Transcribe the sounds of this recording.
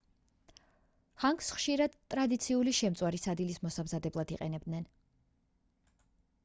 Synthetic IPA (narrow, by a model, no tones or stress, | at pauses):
haŋksχʃiɾad̪t̪ʼɾad̪it̪sʰiuliʃɛmt̪sʼwaɾisad̪ilismɔsamzad̪ɛblˠad̪iqʼɛnɛbd̪nɛn